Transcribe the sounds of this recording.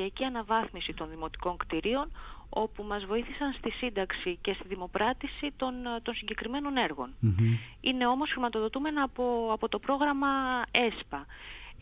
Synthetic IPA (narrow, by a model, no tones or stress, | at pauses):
iɐciɐnɐvɐθmisit̪o̞nðimo̞t̪i̥ko̞ŋkt̪iɾio̞no̞pumɐzvo̞iθisɐnst̪isind̪ɐksice̞st̪iðimo̞pɾɐt̪isit̪ont̪o̞nsiɲɟe̞kɾime̞no̞ne̞ɾɣo̞̰n | ine̞o̞mo̞sxɾimɐt̪o̞ðo̞t̪ume̞nɐpoɐpo̞t̪o̞pɾo̞ɣɾɐmɐe̞spɐ